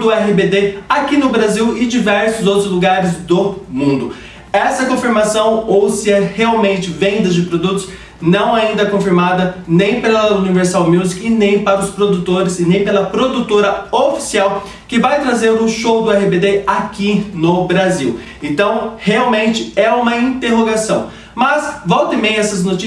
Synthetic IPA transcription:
d̪ʊɛɦɪbed̪eakinʊbɾaziwɪd͡ʒivɛɾsʊzowt̪ɾʊzluɡaɾɪzd̪ʊmũd̪ʊ | ɛsɐkõfiɾmasɐ̃w̃owsɪɐheawmẽnt͡ʃɪvẽnd̪ɐzd͡ʒɪpɾod̪ut̪ʊ̥s | nɐ̃w̃aĩnd̪ɐɛkõfiɾmad̪ɐnẽj̃pelɐuniveɾsawmjuzikɪnẽj̃paɾɐʊspɾod̪ut̪oɾɪzɪnẽj̃pelɐpɾod̪ut̪oɾɐofi̥siaw | kɪvajt̪ɾazẽɾʊʃowd̪ʊɛhibed̪eakinʊbɾaziw | ẽnt̪ɐ̃w̃heawmẽnt͡ʃɪɛũmɐĩnt̪eɦoɡasɐ̃w̃ | mɐsvɔwt̪ẽmẽj̃ɛsɐznot͡ʃi

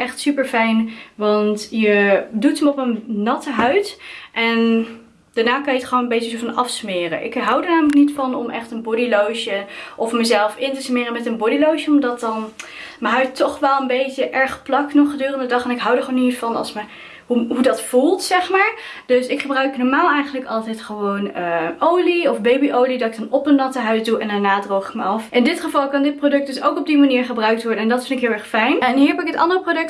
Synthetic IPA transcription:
ʔɛχtsypəɹfɛjnʋɑntjədutəmɔpənːɑtəɦœɥtʔɛn | d̥aːɹnaːkɑnjətχəʋonəmbejtəsofɑnɑfsmɪːrə̰nʔɪ̰kɦɑwdəɹnaːmələk̚nitfɑnɔmʔɛχtənbɔdilowʃəʔɔfməzɛlˠfɪntəsmɪːrəmɛtənbɔdilowʃəɔmdɑt̚ɑnməɦœɥttɔχʋɛlˠənbejtəʔɛɹχplɑknɔχədøːrəndədɑχɛnɪkɦɑwdəɹχəownitsfɑnɑ̰lˠsmə | ɦuɦudɑtfulˠtsɛχmaːɹd̥ɵsɪkχəbrœɥknɔːɹmaːlˠɛjχənləkɑlˠtɛjtχəʋownəowliɔfbejbiʔowlidɑtɪɡ̚dɑnɔpənːɑtəɦœɥsduʔɛndanaːdrowχɪk̚məɑfʔɪndɪtχəvɑlˠkɑndɪt̚prodɵk̚dɵsowkɔb̚dimaniːɹχəbrœɥk̚tʋɔɹdəɛndɑtfɪndtɪkɦɪlˠɛɹχfɛjnɛnɦiɹːɹɦɛpɪkɦətɑ̰ndərəprodɵk̚t

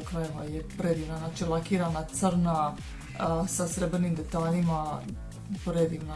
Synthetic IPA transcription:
kɾajeʋajepɾed̪iʋnanat͡ʃilˠakiɾanat̪səɾna | sasɾebɾenimd̪et̪aːlima | pɾed̪iʋna

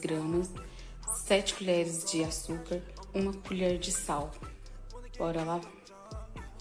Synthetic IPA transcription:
ɡɾɐ̃mɐsː | ɛt͡ʃɪ̥kuʎɛɾɪzd͡ʒɪasukɐɾũmɐkuʎɛɾd͡ʒɪsaw | ɔɾɐla

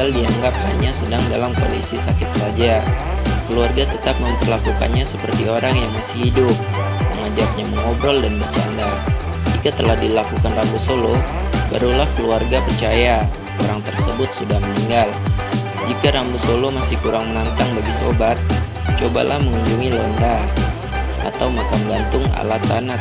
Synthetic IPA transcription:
aldiaŋɡap̚ha̰ɲasədaŋdalamko̰lḭsisakɪt̪̚sad͡ʒakəluarɡat̪ət̪ap̚məmpərlakuka̰nɲasəpərt̪ioɾaŋjaŋmasɪhidʊp̚məŋad͡ʒap̚ɲaməŋobɾɔldanbərt͡ʃa̰nda | d͡ʒikat̪əlahdilakukanrambusoloba̰ɾulahkəluarɡapərt͡ʃaja | oɾaŋt̪ərsəbʊt̪̚sudahməniŋɡal | d͡ʒikaɾambusolomasɪhkuɾaŋmənant̪aŋbaɡiso̰bat̪̚ | t͡ʃoba̰lʔahməŋuɲd͡ʒuŋilɔnda | ʔa̰t̪awmakamɡant̪ʊŋa̰lat̪ana

